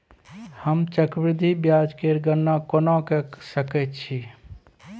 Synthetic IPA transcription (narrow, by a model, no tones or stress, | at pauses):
həmt͡ʃəkbɾɪd̪ʱibjad͡ʒkeɾɡənːakonɔkesəkɛt̪t͡ʃʰi